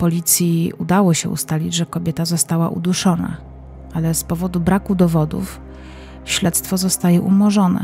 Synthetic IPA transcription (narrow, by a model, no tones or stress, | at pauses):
pɔlʲit̪sʲjiud̪awɔɕɛṵst̪alʲid͡ʑʐɛkɔbʲjɛt̪azɔst̪awaʔṵd̪uʂɔna̰ | alɛspɔvɔd̪ubɾakud̪ɔvɔd̪ṵf | ɕlɛt̪st̪fɔzɔst̪ajɛʔumɔʐɔnɛ̰